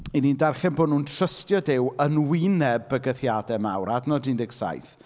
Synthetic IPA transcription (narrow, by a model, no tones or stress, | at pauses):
inindarχɛnboːnuntʰr̥əstjɔdɪwənwɪnɛbəɡəθjadɛmawɾadnɔdɪndɪɡsa̰jθ